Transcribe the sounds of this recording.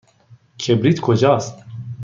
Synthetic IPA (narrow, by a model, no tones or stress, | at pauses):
kʰebɾit̪kʰod͡ʑɑːs